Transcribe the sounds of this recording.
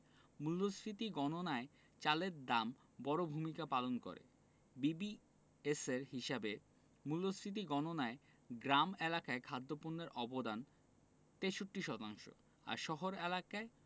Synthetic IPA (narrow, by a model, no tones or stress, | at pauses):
mulːosɾit̪iɡɔnonae | t͡ɕaleɾd̪am | bɔɾobʱumikapalonko̰ɾḛ | bibi | eseɾɦiʃabe | mulːosɾit̪̬iɡɔnonae | ɡɾamelakaekʰad̪ːopunːeɾʔɔbod̪an | t̪eʃoʈːiʃɔt̪aŋʃo̰ | a̰ɾʃɔɦoɾelakae